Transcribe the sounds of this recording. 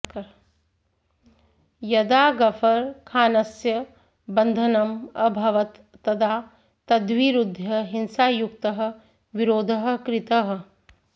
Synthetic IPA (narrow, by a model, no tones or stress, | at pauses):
kɐɾ | jɐd̪aːɡɐfʰɐɾkʰaːnɐsjɐ | bɐnd̪ʱɐnɐmɐbʱɐʋɐt̪ːɐd̪ʰaː | t̪ɐd̪ʋiːɾud̪ʱjɐɦinsaːjukt̪ɐɦɐ̆ | ʋiɾoːd̪ʱɐɦɐ̆kɾɪt̪ɐɦɐ̆